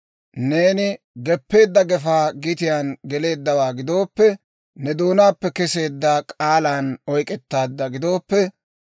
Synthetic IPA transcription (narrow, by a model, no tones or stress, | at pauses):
ne̞ːnɪ | ɡɛpːe̞ːd̪ːɐɡɛfaːɡɪt̪ɪjanɡɛle̞ːd̪ːɐwaːɡɪd̪o̞ːpːɛ | nɛd̪oːnaːpːɛkɛse̞ːd̪ːɐkʼaːlanɔjkʼɛt̪ːaːd̪ːɐɡɪd̪o̞ːpːɛ